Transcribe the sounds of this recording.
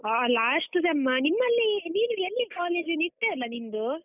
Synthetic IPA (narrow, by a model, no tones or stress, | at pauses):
aːlaːsʈusemːɐnimːɐlːiniːnuelːikaːleːd͡ʒiniɾt̪ːeɐlːɐnimd̪u